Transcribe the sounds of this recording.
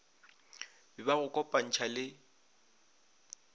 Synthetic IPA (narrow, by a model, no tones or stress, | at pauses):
bɪbaɣʊkʼɔpʼan̩t͡ʃʰalɪ